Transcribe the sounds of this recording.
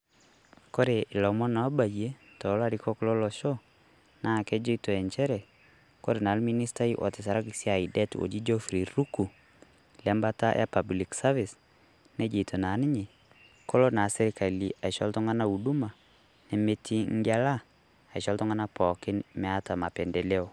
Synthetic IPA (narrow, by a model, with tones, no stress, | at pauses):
ko˦ɾe˨ʔɪ˨lɔ˨mɔ˦na˨˦ba˨je˦tɔ˨la˦ɾi˦kɔ˦klɔ˦lɔ˨ʃo˦ | na˦˨kɛ˦d͡ʒo˦ito˨ɛ˨nt͡ʃɛ˦ɾɛ˨ | ko˦ɾe˨na˨lmi˦ni˦sta˦iʔɔ̰˨tɪ˨sa˨ɾa˦kisja˨idɛ˦to̰˨d͡ʒi˦d͡ʒɔ˦fɾi˨ɾu˦ku˨ | lɛ˦mba˦ta̰˦ʔa̰˦pa˨bli˨ksa˦vɪ˨s | nɛ˦d͡ʒe˨tʰo˨na˨nɪ˦ɲe˨ | ko˦lo˦na˨sɛ˦ɾɪ˦ka˨li˨ʔa˨ʃɔ˦ltɔ˦ŋa˦na˦u˨du˦ma˨ | nɛ˨me˦tʰi˦ŋ˦ɡa˦laː˦˨ | i˨ʃɔ˦ltɔ˦ŋa˦na˦pɔ˨kɪ˦nmɛ˦a˦ta˨ma˨pɛ˨ndɛ˨le˦o˨